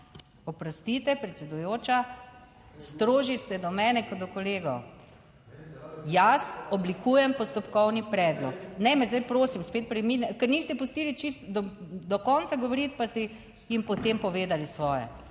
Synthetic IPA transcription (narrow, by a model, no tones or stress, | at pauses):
ɔpɾɔst̪it̪ɛpɾɛt̪sɛd̪ujoːt͡ʃa | st̪ɾoːʒist̪ɛd̪ɔmɛːnɛkɔd̪ɔkɔleːɡɔw | jasɔblikuːjɛmpɔst̪ɔpkɔwnipɾɛd̪lɔknɛmɛzd̪ajpɾoːsimspeːt̪̚pɾɛminkɛɾnist̪ɛpʊst̪iːlit͡ʃist̪d̪ɔd̪ɔkɔnt̪saɡɔʋɔɾit̪past̪ɛ | jimpɔt̪empɔʋeːd̪alisʋɔːjɛ̰